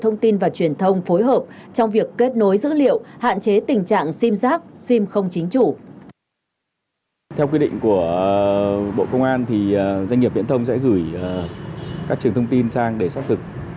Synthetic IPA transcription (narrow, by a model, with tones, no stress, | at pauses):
t̪ʰə˧wŋ͡mt̪i˧nvaː˨˩t͡ɕwi˨˩ənt̪ʰə˧wŋ͡mfo˨˦jɦəː˨˩p̚t͡ɕɔ˧wŋ͡mvi˨˩əkːe˦˥t̚no˨˦jzɨ̰˧˥lḭ˧˨əwha̰ː˧˨nt͡ɕe˨˦t̪ï˨˩ŋ̟t͡ɕa̰ː˧˨ŋsi˧mzaː˦˥k̚si˧mxə˧wŋ͡mt͡ɕï˨˦ŋ̟t͡ɕu˧˩ | t̪ʰɛ˧wkwi˧ɗḭ̈˧˨ŋ̟ku˧˩ə | ɓo̰˧˨kə˧wŋ͡mʔaː˧nt̪ʰi˨˩˨za˧jŋːi˨˩p̚vḭ˧˥ənt̪ʰə˧wŋ͡msɛ̰˧˥ɣɨ˧˩jkaː˦˥k̚ɨ˨˩əŋt̪ʰə˧ŋ͡mt̪i˧nsaː˧ŋɗe˧˩saː˦˥p̚t̪ʰɨ˨˩k̚